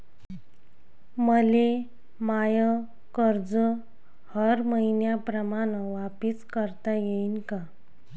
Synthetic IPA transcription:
məle | majə | kəɾd͡zə | həɾməinjapɾəmanəʋapiskəɾt̪ajeinka

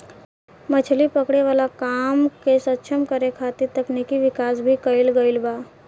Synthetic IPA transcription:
mət͡ɕʰlipəkɽeʋəlakamkesətːt͡ʃʰəmkəɾekʰat̪iɾt̪əknikiʋikasbʱiːkəilɡəilba

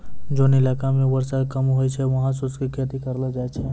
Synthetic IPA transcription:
d͡ʒoːnɪlaːkamẽʋəɾsat̪kəmɦoːit͡ʃʰɛʋɐɦãs̬uskikʰet̪ikɐɾlad͡ʒaːt͡ʃʰɛ

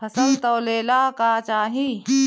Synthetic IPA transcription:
pʰɐsəlt̪ɔːleːlakaːt͡ʃaːɦi

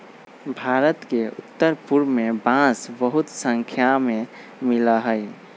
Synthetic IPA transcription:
bʱaːɾət̪keʊ̰t̪ːəɾpuɾmebãsbəɦʊt̪sə̃ŋkʰjamẽ | mɪləɦəj

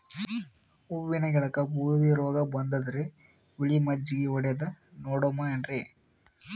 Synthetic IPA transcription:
uʋːinɐɡɛɭɐkɐbuːɾd̪iɾɔːɡɐbɐnd̪ɐd̪ɐɾe | ʋiɭimɐd͡ʒiɡeɔɽed̪ɐnoːɽomɐenɾe

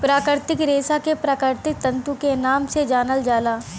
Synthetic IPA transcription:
pɾaːkɾɪɾt̪ɪkɾeːsakepɾaːkɾɪɾt̪ɪk̚t̪ɐ̃nt̪ũkenaːmsed͡ʒaːnəld͡ʒaːlaː

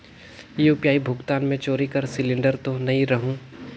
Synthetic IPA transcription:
jeʊpjaːibʱʊɡt̪aːnmẽt͡ʃoːɾikɐɾsɪlɪ̃ɳɖəɾt̪onɐĩɾɐɦũː

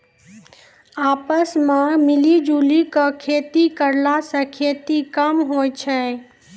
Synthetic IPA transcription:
aːpəsmãmɪlid͡ʒuːlikəkʰeːt̪ikəɾlasəkʰet̪ikəmɦoːjt͡ʃʰɛ

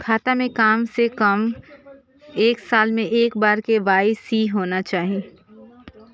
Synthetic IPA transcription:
kʰaːt̪amẽkaːmsekɐm | eːksaːlmẽʔeːkbaːɾkeʋaːɪsiːɦoːnat͡ʃaːɦie

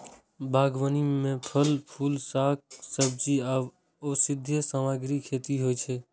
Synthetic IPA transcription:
bʱaːɡʋənimẽpʰəlpʰuːlsaːk̚səb̚d͡ʒi | osɪd̪ʱjəsamaːɡɾikʰeːt̪iɦoːit͡ʃʰeː

